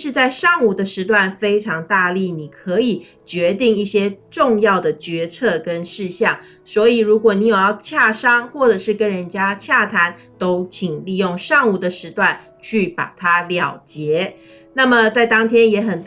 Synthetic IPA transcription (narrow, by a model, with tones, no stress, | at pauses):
ʂɻ̩˥˧t͡sa˥˧ɪʂɑ˥˧ŋu˨˩d̪ə˨˦ʂɻ̩˧˥t̪̬wa˥˩nfe˥ɪʈ͡ʂʰɑ˧˥ŋt̪a˥˧li˥˩ni˨˩kʰɤ˧˥i˨˩ | t͡ɕɥɛ˧˦˥t̪i˥˧ŋi˥˩ɕjɛ˥ʈ͡ʂʊ˥˧ŋjɑ˥˩ʊd̪ə˩t͡ɕɥɛ˧˥t͡sʰɤ˥˩kə˦nʂɻ̩˥˧ɕjɑ˥˩ŋ | swɔ˧˥i˨˩ɻu˧˥kwɔ˨˩ni˧˥jo˨˩ʊjɑ˥˧ʊt͡ɕʰja˥˩ʂɑ˥ŋxwɔ˥˩ʈ͡ʂɤ˨˩ʂɻ̩˥˩kə˥nɻə˧˦nt͡ɕja˥t͡ɕʰja˥˩t̪ʰa˧˥n | t̪o˥ʊt͡ɕʰi˨˩ŋli˥˧jʊ˥˩˧ŋʂɑ˥˧ŋu˨˩d̪ə˨ʂɻ̩˧˥t̪wa˥˩n | t͡ɕʰy˥˩pa̰˨˩t̪ʰa˦ljɑ˨˩ʊt͡ɕjɛ˧˥ | na˥˩mə˨t͡sa˥˩ɪt̪ɑ˥ŋt̪ʰjɛ˥njɛ˧˥xə˨˩n